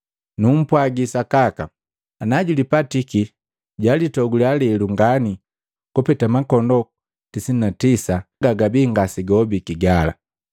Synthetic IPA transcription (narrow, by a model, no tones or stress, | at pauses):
num̩pwaɡisakaka | anaɟulipatiki | ɟalitɔɡulialɛluŋɡani | kɔpɛtamakɔndɔ | tisinatisaɡaɡabiːŋɡasiɡɔbikiɡala̰